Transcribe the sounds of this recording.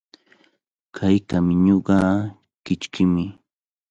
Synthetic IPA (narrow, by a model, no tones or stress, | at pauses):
kʰajkamɪɲoɢɑ | kɪt͡ʃkɪmɪ